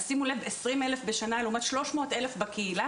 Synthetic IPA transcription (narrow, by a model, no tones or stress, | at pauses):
simulevesʁimelefbeʃanaleumat̪ʃlo̞ʃmo̞ːtelefbakʰeila